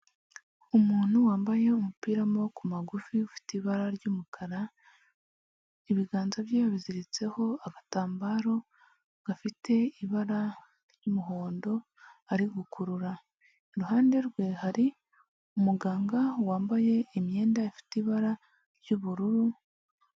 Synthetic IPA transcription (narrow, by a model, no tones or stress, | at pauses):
umuːn̥huwaːmbaje̞umupiːɾamo̞kumaɡufiufi̥tiβaɾaɾɟumukʰaɾa | iβiɡaːnzaβjeβaβiziɾit͡se̞ho̞aɡataːmbaːɾo̞ | ɡ̥afitʰe̞iβaɾa | ɾjumuɦo̞ːndo̞ | aɾiɡukʰuɾuɾa | ɾuɦaːnde̞ɾɡwe̞haɾi | umuɡaːŋɡawaːmbaje̞imje̞ːndaifi̥tiβaɾa | ɾɟuβuɾuɾu